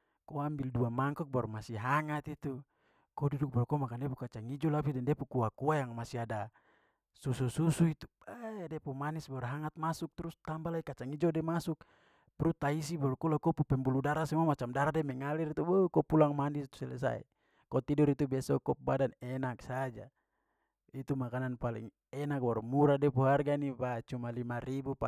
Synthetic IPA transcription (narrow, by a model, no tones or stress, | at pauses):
kɔambilduamaŋkɔk̚baɾumasiɦaŋat̪it̪u | kɔduduk̚balɔkɔmakandɛpukat͡ʃaŋid͡ʒɔlapidɛndɛpukuakuajaŋmasiada | susususuit̪u̥ | adɛpumanisbaɾaɦaŋat̪̚masuk̚t̪ɾust̪ambalaikat͡ʃaŋid͡ʒɔdɛmasuk̚ | pɾut̪aisibɔlkulakɔpupɛmbuludaɾasamamat͡ʃamdaɾadɛmɛŋaliɾit̪ubəkɔpulaŋmanist̪u̥sɛlɛ̰sa̰ḭ | kɔt̪idɔɾit̪ubɛsɔkɔp̚badanɛnaksad͡ʒa̰ | it̪umakananpalḭŋ | ɛnak̚bɔrmuɾadɛpuɦarɡanibat͡ʃumalimaɾibupa